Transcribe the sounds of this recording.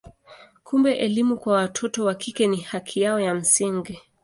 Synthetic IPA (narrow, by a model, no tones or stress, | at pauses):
kʰumbɛʔɛlimukwawatʰɔtɔwakʰikɛnihakʰijaɔjam̩siŋɡi